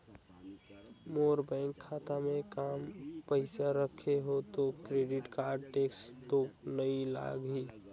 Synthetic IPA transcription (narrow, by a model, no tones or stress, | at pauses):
moːɾbɛ̃ːŋkʰːaːt̪amẽkaːmpəɪsaɾəkʰeɦot̪okɾeɖɪʈkaːɾɖ̚ʈeːkst̪oknəĩla̰ːɡɦiː